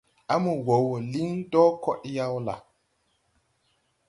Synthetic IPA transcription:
a˦mu˨wo˨wo˨li˦ndɔ˦kɔ˦ʔja˦wla̰˨

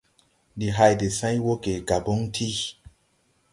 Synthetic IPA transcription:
di˨ɦa˧jde˨sã˦jwo˦ke˨ɡa˨bo˦ŋtʰi˦

